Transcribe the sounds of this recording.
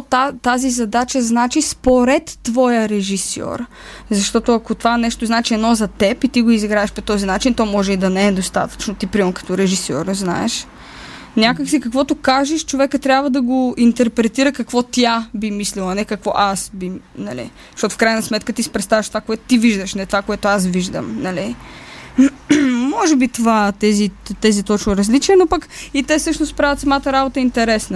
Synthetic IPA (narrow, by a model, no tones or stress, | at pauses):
t̪at̪azizɐd̪at͡ʃəznat͡ʃispoɾɛt̪ːvɔjəɾɛʒisɔ̰ɾ | zɐʃt̪ɔt̪ʊɐkot̪ovanɛʃt̪oznaɛt͡ʃiɛd̪nɔzɐt̪ɛpit̪iɡoiziɡɾaɛʃpot̪ɔzinat͡ʃint̪ɔmɔʒɛid̪ɐnɛɛd̪ost̪a̰t̪ə̥t͡ʃnot̪ipɾimɐnkɐ̥t̪ɔɾɛʒisɔ̰ɾzna̰ɛ̰ʃ | nʲakəksikɐkvɔt̪ʊkaʒɛʃt͡ʃovɛkət̪ɾʲjabvəd̪ɐɡoint̪ɛɾpɾɛt̪iɾəkɐkvɔt̪jabimislilˠɐnɛkɐkvɔ̰ʔasbinɐlḭ | ʃt̪ɔt̪ʊfkɾajnəsmɛt̪kət̪isɛ̥pɾɛt̪st̪avəʃt̪ovakoɛt̪ʊ̥t̪iviʒd̪əʃnɛt̪ovakoɛt̪oas̬viʒd̪ə̰mnɐli | mɔʒɛbit̪ovat̪ɛzit̪ɛzit̪ɔt͡ʃnoɾɐzlit͡ʃiɛnopəkit̪ɛsɤʃnost̪pɾavʲɐt̪sɐmat̪əɾabot̪əint̪ɛɾɛsnə